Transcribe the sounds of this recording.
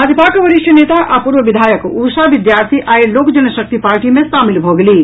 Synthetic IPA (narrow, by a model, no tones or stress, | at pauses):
aːd̪jəpaːkʋɐɾɪʃjəneːt̪aʔapuːɾʋəʋɪd̪ʱaːjəkuːʃaʋɪd̪jaːɾt̪ʰiʔaːeloːkd͡ʒɐnəʃɐk̚t̪ipaːɾʈimẽsaːmɪlɦoɡɐliː